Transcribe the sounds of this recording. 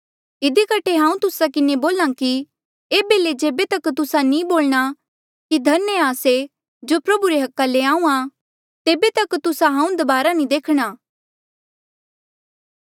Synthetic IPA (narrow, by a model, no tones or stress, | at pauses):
ɪd̪ikɐʈʰeɦãːũt̪ʊsakɪneboːlãki | eːbeːled͡ʒeːbet̪ɐkt̪ʊsanĩboːlɽ̃a | kid̪ʱɐɾnjaːse | d͡ʒoːpɾɐbuɾeɦɐkːaleãːũã | t̪eːbet̪ɐkt̪ʊsaɦãːũd̪ɐbaːɾanĩd̪eːkʰɽ̃aː